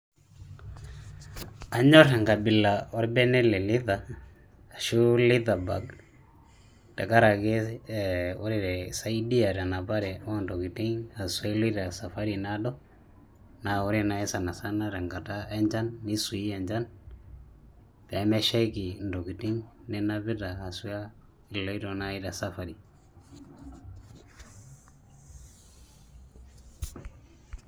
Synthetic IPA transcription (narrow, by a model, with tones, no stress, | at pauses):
a˨ɲɔ˦ɾɛ˨ŋɡa˨bɪ˨la˨ɔ˦ɾbɛ˦nɛ˦lɛ˨lɪ˦ðaː˨ | ʃu˦lɪ˦ða˨ba̰˨ɡ | ta˨ka˦ɾa˨ke˦ | o˦ɾɪ˨ɾɛ˨sa˦i˦di˦a˨ta˨na˨ba˦ɾɛ˨ɔ˦ndɔ˨ki˨ti˦ŋa˨swɛ˦li˦ɾa˨sa˨fa˦ɾi˨na˦dɔ˦ | na˨o˦ɾi˦na˦ɛ˦sa˨na˨sa˦na˦ɾɛ˨ŋɡa˨ta˦ɛ˦ɲd͡ʒa˦nːi˦su˨i˦ɛ˨ɲd͡ʒa˦n | pɛ˨˦mɛ˦ʃɛ˦ki˨ndo˨ɡi˨ti˦ŋnɛ˦na˦βi˦da˨ha˨su˦a˦ | i˨lɔ˦i˦ɾɔ˨na˦i˦da˨sa˦fa˨ɾi˨